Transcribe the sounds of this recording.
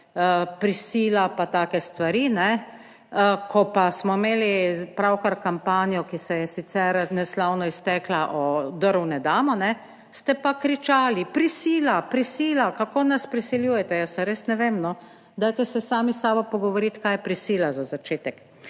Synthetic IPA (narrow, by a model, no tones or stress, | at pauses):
əpɾisiːlapat̪aːkɛst̪ʋaɾinɛ | kʰɔpasmɔimeːlipɾawkaɾkampaːnijɔkisɛjɛsit̪sɛɾnɛslawnɔist̪ɛklaʔɔd̪əɾunɛd̪aːmɔnɛ | st̪ɛpakɾit͡ʃaːlipɾisiːlapɾisiːlakakoːnaspɾisiljuːjɛt̪ɛjəsaɾeːsnɛʋeːmnɔ | d̪ajt̪ɛsɛsaːmisaːbɔpɔɡɔʋɔɾit̪kajɛpɾisiːlazazat͡ʃeːt̪ɛk